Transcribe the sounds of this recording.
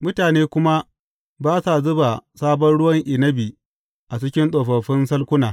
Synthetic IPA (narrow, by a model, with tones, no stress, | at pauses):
mʊ˦taː˨neː˦kʷʊ˦ma˦ | baː˦sa˨zʊ˦ba˨saː˦bɐ˦nɽʊ˦wɐ˦ŋʔɪ˨nɐ˦bi˨ | ʔa˨t͡ʃɪ˦kʲɪ˦nsʼoː˨ɸɐ˨ɸɪ˦nsɐ˦lkʷʊ˦naː˨